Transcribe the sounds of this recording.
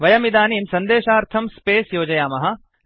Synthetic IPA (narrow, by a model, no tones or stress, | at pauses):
ʋɐjɐmid̪aːniːmsɐnd̪eːʃaːɾt̪ʰɐmspeːsjoːd͡ʒɐjaːmɐɦɐ̆